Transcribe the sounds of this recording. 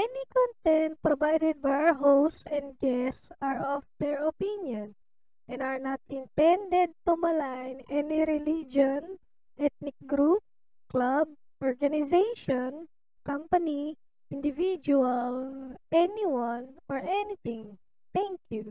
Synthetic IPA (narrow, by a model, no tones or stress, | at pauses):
ʔɛnikɔ̃nt̪ɛnt̪̚pɾovajd̪ɛd̪̚bajaɦosɛ̃nd̪̚ɡɛsaɹɔfd̪ɛɹɔpinjɔ̃n | ʔɛ̃nd̪aɹnat̪̚ɪ̃nt̪ɛ̃nd̪ɛd̪̚t̪umalajnɛniɾɪlid͡ʒɔn | ʔɛt̪̚nɪk̚ɡɾup̚ | klab̚ | ʔɔɹɡanɪzejʃɔn | kãmpɐni | ʔɪ̃nd̪ɪvid͡ʒualʔɛniwãnɔɹʔɛnit̪ɪ̃ŋ | t̪ɛ̃ŋkju